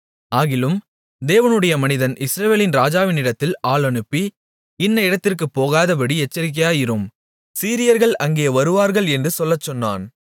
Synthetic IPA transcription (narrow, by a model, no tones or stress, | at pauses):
aːɣɪlɯm | d̪eːʋɐnɯɽɐjɐmɐnɪðɐnʔɪsɾɐʋeːlɪnɾaːd͡ʒaːʋɪnɪɽɐt̪ːɪlaːɭɐnɯpːi | ɪnːɐɪɽɐt̪ːɪrkɯpːoːɣaːðɐpɐɽiɛt͡ʃːɐɾɪk̬ːɐjaːjɪɾɯm | siːɾɪjɐɾɣɐɭɐŋɡeːʋɐɾɯʋaːɾɣɐɭɛndrɯsɔlːɐt͡ʃːɔnːa̰ːn